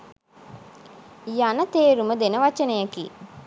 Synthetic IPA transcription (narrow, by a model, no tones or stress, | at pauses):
janət̪eːɾuməd̪enəʋat͡ʃənəjakḭː